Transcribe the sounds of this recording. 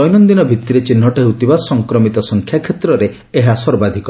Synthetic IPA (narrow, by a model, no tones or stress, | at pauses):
ɔjnɔnd̪inɔbʱit̪iɾet͡ʃin̤ɦɔʈeɦut̪ibasɔŋkɾɔmit̪ɔsɔŋkʰjakʰet̪ɾɔɾe | eɦasɔɾbad̪ʱikɔ